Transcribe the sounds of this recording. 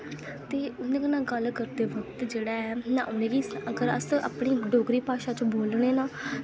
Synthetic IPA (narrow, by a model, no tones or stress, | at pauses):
t̪eːʊnẽːkənãːɡəlkəɾd̪eːʋəkt̪d͡ʒeːɽaːɛːnãːʔʊnẽːɡiːsəɡəɾə̰sa̰ːpɳ̃iːməɖoːɡɾiːpaːʃaːt͡ʃõboːlɽ̃ẽːnãː